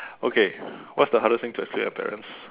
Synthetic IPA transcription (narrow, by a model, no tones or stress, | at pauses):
okʰewɔtsdəɦaɾəstɪ̃ŋtʰuɛkskluɛ̰̃pʰɛ̰ɹə̰̃ns